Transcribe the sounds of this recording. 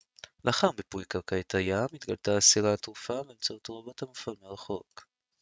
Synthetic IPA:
lʔaχambepujkaʁkajet̪ʰajamit̪ɡaltaːsiʁat̪ʁufaveːmt͡saot̪ʁabot̪hamafalmeʁaχo̞k

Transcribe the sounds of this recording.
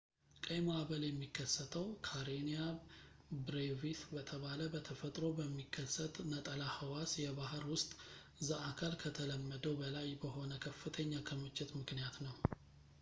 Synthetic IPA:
kʼəjmoaβəljɛmːikːəsːət̪ʰəwkʰaɾenija | bɾevit̪bət̪ʰəβaləbət̪ʰəfət̪ʼɾo̞bəmːikʰːəsːət̪ʼnət̪ʼəlahəwasjɛβahɾwʊst̪ʼ | zəʔakʰalkʰət̪ʰələmːəd̪əwbəlajbəɦo̞nəkʰəfːɨt̪ʰəɲːakʰəmɨt͡ʃʼːɪt̪mɨknijat̪nəw

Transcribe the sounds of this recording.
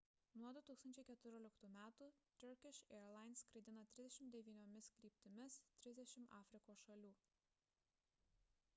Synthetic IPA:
nuɔd̪ʊt̪uːksɐnʲt͡ʃʲɛɪkʲɛt̪ʊɾʲoɔːlʲɪkt̪uːmʲæːt̪uːt̪ʲʊɾkʲɪʃɛɛɾlˠɑɪnskɾɐɪd̪ʲɪnɐt̪ʲɾʲɪzd̪ʲɛʃʲɪmd̪ʲɛʋʲiːnʲoːmʲɪskɾʲiːpʲt̪ʲɪmʲɪst̪ʲɾʲɪzʲd̪ʲɛʃʲɪmɑːfʲɾʲɪkoːsʃɐlʲuː

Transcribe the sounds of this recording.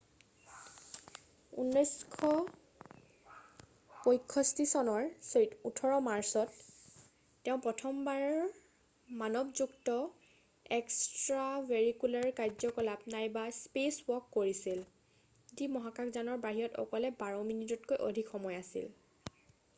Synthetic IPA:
ṵnːɔjskʰɔ | pojkʰːɔstisɔnɔɹsetutʰɔɹɔmaɹsɔtː | ɛʊ̃pɹɔtʰɔmbaɹɔɹɹ | manɔbzuktɔ | ɛkstɹaveɹikulaɹkajzɔkɔlapnajbaspeswɔkːoɹisil | dimɔɦakakzanɔɹbaɦiɔtɔ̰kɔlɛbaɹɔminitɔtkojʔodʱikʰxɔmɔjasḭl

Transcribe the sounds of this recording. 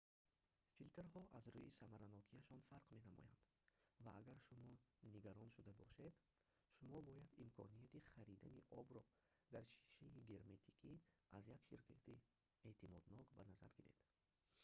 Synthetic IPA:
filt̪eɾɦɔʔazɾuisamaɾanɔkʰiaʃɔnfaɾqme̞namɔ̰ja̰nd̪̥ | va̰ʔaɡaɾʃumɔniɡaɾɔnʃud̪abɔ̰ʃe̞d̪ | ʃumɔbɔjad̪imkʰɔ̰nijat̪iχaɾid̪aniʔɔbɾɔ | d̪aɾʃi̥ʃiiɡe̞ɾme̞t̪ʰi̥kʰiazjakʃiɾkʰat̪ʰi | et̪ʰimɔd̪nɔkbanaza̰ɾɡiɾe̞̰d̪̥

